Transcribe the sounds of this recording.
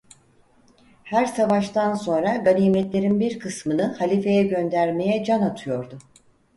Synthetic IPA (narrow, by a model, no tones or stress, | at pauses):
hæɾsavaʃt̪ʰanso̞nɾaɡaniːmɛt̪lʲe̞ɾinbiɾkʰɯsmɯnɯhalʲife̞jɛɟø̞nd̪æɾme̞jɛd͡ʒanat̪ʰɯjo̞ɾd̪ʊ